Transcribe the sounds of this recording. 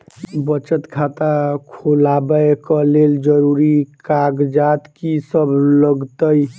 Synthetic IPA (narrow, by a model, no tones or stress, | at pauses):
bət͡ʃət̪kʰat̪akʰolabəkəleld͡ʒəɾuɾikaɡd͡ʒat̪kisəbʱləɡt̪əj